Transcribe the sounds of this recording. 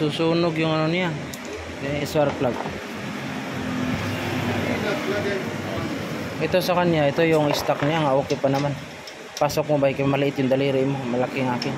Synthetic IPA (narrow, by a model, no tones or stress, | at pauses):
susunʊɡjʊŋanonija | saɾt̪laɡ̚ | aa | ʔɛt̪osakanjaɛt̪ojʊŋist̪ak̚nijaŋaʔokɪpanaman | pasok̚mobaikmalɛʔɪt̪jʊŋd̪aliɾimomalakiŋakɪŋ